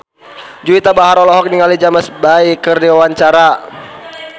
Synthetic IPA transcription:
d͡ʒuit̪abaɦaɾɔlɔɦɔk̚niŋalid͡ʒaməsbaikərdiwawaɲt͡ʃaɾa

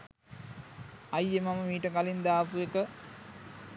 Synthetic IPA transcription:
ajːemaməmiːʈəkalind̪aːpuekə

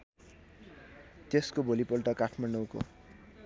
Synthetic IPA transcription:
t̪eskobʱolipʌlʈʌkaʈʰmaɳɖʌwko̰

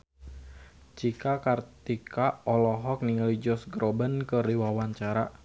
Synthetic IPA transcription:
t͡ʃikakart̪ikaʔɔlɔɦɔk̚niŋalid͡ʒɔsɡɾɔbənkəɾiwawaɲt͡ʃaɾa

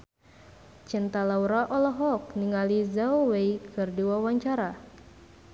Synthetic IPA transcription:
t͡ʃint̪alauɾaʔɔlɔɦɔk̚niŋalizawejkʰɨrdiwawaɲt͡ʃaɾa

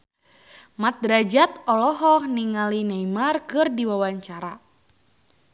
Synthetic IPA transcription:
mat̪̚ɾad͡ʒat̪̚ɔlɔɦɔhniŋalinajmarkɨrdiwawaɲt͡ʃaɾa

